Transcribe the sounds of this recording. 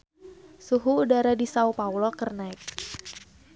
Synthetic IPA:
suɦuːdaɾadisaupawlɔkərnaɪk̚

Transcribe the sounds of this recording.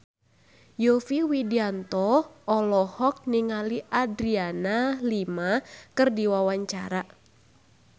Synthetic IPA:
jofiwidiant̪ɔɔlɔhɔk̚niŋaliʔadɾianalimakɨrdiwawaɲt͡ʃaɾa

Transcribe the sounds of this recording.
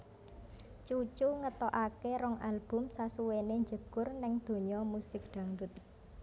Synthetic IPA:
t͡ʃut͡ʃuŋət̪ɔʔakeɾɔŋʔalb̥ʊ̤msasuweneɲd͡ʒəɡʊrnɪŋd̪̥o̤ɲɔmusɪk̚ɖ̪̥a̤ŋɖʊt̪̚

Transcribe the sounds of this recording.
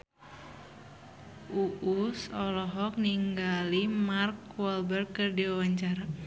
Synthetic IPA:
uʔusɔlɔɦɔk̚niŋɡalimarkwɔlbɛrkːɨrdiwawaɲt͡ʃaɾa

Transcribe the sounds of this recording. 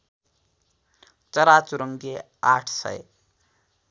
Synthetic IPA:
t͡sʌɾat͡suɾʌŋɡe | aʈʰsʌ̰j

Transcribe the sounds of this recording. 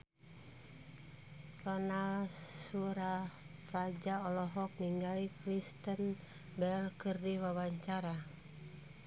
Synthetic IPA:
rɔnalsuɾafrad͡ʒaɔlɔɦɔk̚niŋɡalikɾist̪ən | bɛlkɨrdiwawaɲt͡ʃaɾa

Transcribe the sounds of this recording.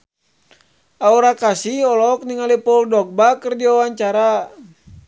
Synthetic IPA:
auɾakasiɔlɔk̚niŋalipɔuldɔk̚bakərdiɔwaɲt͡ʃaɾa

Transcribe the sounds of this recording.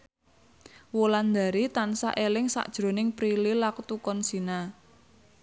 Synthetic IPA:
woland̪a̤ɾit̪ansa̰ʔelɪŋsa̰ʔd̥ʒ̥ɾo̤nɪŋpɾililakt̪ukɔnsina

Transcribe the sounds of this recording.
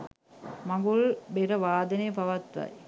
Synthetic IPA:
mɐɡuɭbeɾɐʋaːd̪ɐnepɐʋɐt̪ɾa̰j

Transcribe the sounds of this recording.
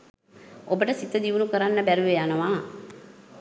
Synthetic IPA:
obəʈəsit̪əd̪iʋunukəɾanːəbæɾuʋejanəʋaː

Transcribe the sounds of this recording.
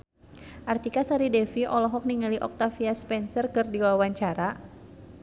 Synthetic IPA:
ʔart̪ikasaɾidɛfiʔɔlɔɦɔk̚niŋaliʔɔ̰k̚t̪afiaspɛnsərkɨrdiwawaɲt͡ʃaɾa

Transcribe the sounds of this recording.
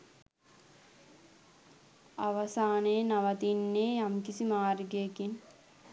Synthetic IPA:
aʋɐsaːnenaʋɐt̪inːeːjamkisimaːɾɡekin

